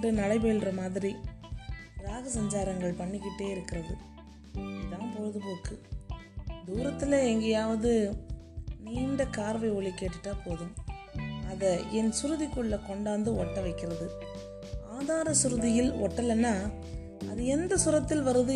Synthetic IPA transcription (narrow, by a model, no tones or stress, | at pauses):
rɯnɐɽɐɪpeːlrɐmaːðɪɾi | ɾaːɣɐsɐɲd͡ʒaːɾɐŋɡɐɭpɐɳːɪkːɪʈːeːɪɾɯkːɪɾɐðɯ | ɐðaːmpɔɻɯðɯpoːkːɯ | d̪uːɾɐt̪ːɪlɐɛŋɡɐjaːʋɐðɯ | niːɳɖɐkaːɾʋɐɪɔɭikːeːʈːɯʈːaːpoːðɯm | ɐðɐɛnsʊɾɯðɪkːɯɭːɐkɔɳɖaːnd̪ɯɔʈːɐʋɐɪkːɪɾɐðɯ | aːðaːɾɐsʊɾɯðɪjɪlɔʈːɐlɐnːaː | ɐðɯɛnd̪ɐsʊɾɐt̪ːɪlʋɐɾɯðɯ